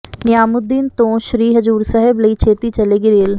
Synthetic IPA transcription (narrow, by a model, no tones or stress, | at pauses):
nɪjaːmʊd̪ːiːnt̪õʃɾiːɦɐzuːɾsɐɦɪblɐit͡ʃʰeːt̪it͡ʃɐleːɡiɾeːl